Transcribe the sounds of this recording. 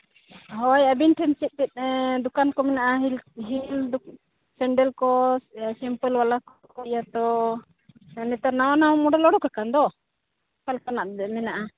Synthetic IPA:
ɦɔjabinʈʰɛnt͡ʃɛt̪̚t̪ɛt̪̚ˀd̪ukankɔmɛnaʔaɦilɦild̪ | sɛɳɖɛlkɔsimpəlwalakɔkɔijat̪ɔ | nɛt̪aɾnawanawmɔɖɛlɔɽɔkakand̪ɔ | palkanaʔd̪ɛmɛnaʔa

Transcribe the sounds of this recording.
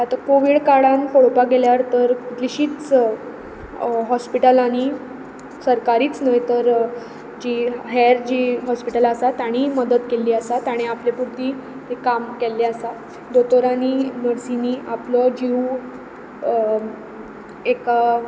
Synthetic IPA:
at̪akoʋiːɽkaɽãnkoɽpaɡeljaɾt̪əɾut̪liɕiːt͡s | ɦɔspiʈəlaɽ̃i | səɾkaɾiːt͡snəjt̪əɾ | d͡ʑiɦɛɾd͡ʑiːɦɔspiʈəlasat̪aɽ̃iməd̪əd̪keliːəsat̪aɽ̃iaplepuɽt̪iː | ɦekːamkelːeasa | d̪ot̪oɾaninəɽsiniːʔapləd͡ʑiu | eka

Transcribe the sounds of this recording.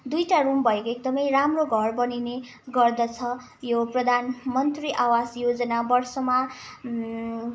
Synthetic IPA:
d̪ujʈarumbʱʌekoek̚d̪ʌmʌjramroɡʱʌrbʌnine | ɡʌrd̪ʌt͡sʰʌ | joprʌd̪ʱanmʌnt̪riʔawasjod͡zʌnabʌrsʌma

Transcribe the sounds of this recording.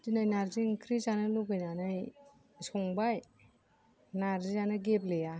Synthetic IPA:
tinajnaɾziŋkʰɾizanɯluɡɯjnanɯj | sɔŋbaj | naɾzizanɯɡepleja

